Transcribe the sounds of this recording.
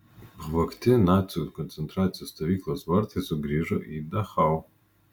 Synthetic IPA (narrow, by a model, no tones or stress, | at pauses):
ʁvɐkʰtʰɪnat͡sʰʼiutkʰont͡sʰentrat͡sʰijastʰavikʰlɐzwɐrtʰizuɡriʐɐʔidaχaw